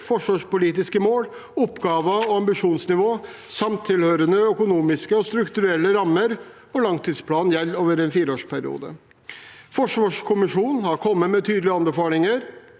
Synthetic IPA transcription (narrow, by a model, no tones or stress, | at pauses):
fɔʂʋɑːʂpʊliːt̪ɪskəmoːlɔpɡɑːʋəɔɑmbɪʂuːnsnɪʋoː | sɑmt̪ʰːɪlhøːɾənəœkʊnuːmɪskəɔst̪ɾʉkt̪ʉɾɛlːəɾɑmːəɾ | ɔlɑŋt̪ʰiːd̪spʰlɑːnjɛlːoːʋəɾɛnfiːɾoːʂpʰæɾɪ̰ṵːd̪ə̰ | fɔʂʋɑːʂkʰʊmɪʂuːnn̩hɑɾkʰɔmːəmɛt̪ʰyːd̪əlɪɑnbɛfɑːɾɪŋəɾ